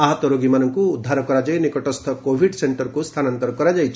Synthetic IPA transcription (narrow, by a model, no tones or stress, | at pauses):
aɦɔt̪ɔɾoɡimanɔŋkuːd̪ʱːaɾɔkɔɾad͡ʒajnikɔʈɔst̪ʰɔkobʱiɖseɳʈɔɾkust̪ʰanant̪ɔɾɔkɔɾad͡ʒajt͡ʃʰ